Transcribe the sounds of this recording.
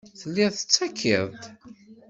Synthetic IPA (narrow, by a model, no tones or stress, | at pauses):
θəlːiθə̥t͡sːækʰːiðˤt̪